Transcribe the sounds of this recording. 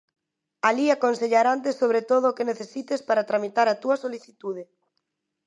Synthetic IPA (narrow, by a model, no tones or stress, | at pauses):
aliakonseʎaɾant̪̬esːoβ̞ɾet̪oð̞oːkeneθesit̪espaɾat̪ɾamit̪aɾat̪uɐsoliθit̪uðe